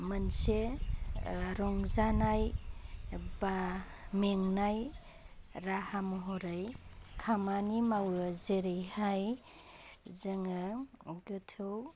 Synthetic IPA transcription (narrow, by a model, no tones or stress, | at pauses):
mɯnse | ɾɔŋzanaj | ba | meŋnaj | ɾahamɦɔɾajkʰamanimawɯzeɾejhaj | zɯŋaɡɯtʰɯw